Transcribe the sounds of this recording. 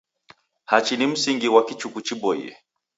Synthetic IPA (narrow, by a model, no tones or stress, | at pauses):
hat͡ʃinim̩siŋɡiwakit͡ʃukut͡ʃiɓɔḭɛ̰